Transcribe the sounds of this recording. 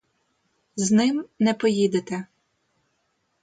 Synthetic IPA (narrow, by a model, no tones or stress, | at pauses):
znɪmnɛpɔjid̪et̪ɛ